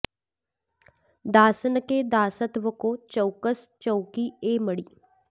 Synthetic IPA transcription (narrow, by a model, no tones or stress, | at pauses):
d̪aːsənked̪aːsət̪ʋəkoːt͡ʃəʊkəst͡ʃəʊkieːməɽiː